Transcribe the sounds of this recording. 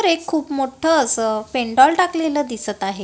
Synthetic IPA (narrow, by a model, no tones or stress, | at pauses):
əɾekʰːuːpmoʈʰət͡speɳɖɔlʈakleləːd̪isət̪aɦe